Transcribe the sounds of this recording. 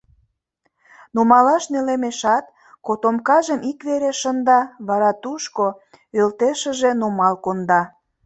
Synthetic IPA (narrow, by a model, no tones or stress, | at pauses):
numɑlɑʃnelemeʃɑt̪̚ | kot̪omkɑʒəmikβeɾeʃənd̪ɑβɑɾɑt̪uʃko | ølt̪eʃə̆ʒe̽numɑlkond̪ɑ